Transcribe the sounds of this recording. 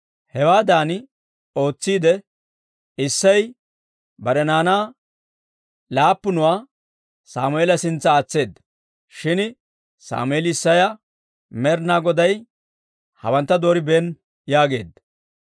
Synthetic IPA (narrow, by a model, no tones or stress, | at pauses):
hɛwaːd̪aːn | o̞ːt͡sːiːd̪ɛ | ɪsːɐj | bɐɾɛnaːnaː | laːpːʊnʊwaː | saːmʊeːlɐsɪnt͡sːɐːt͡sːe̞ːd̪ːɐ̥ | ʃɪn | sa̰ːmʊeːlɪɪsːɐjɐ | mɛɾnaːɡɔd̪ɐj | hɐ̰wɐnt̪ːɐd̪o̞ːɾɪbeːn | jaːɡe̞̰ːd̪ːɐ